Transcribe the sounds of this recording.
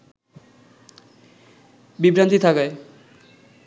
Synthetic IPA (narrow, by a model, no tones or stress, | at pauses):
bibɾant̪it̪ʰakae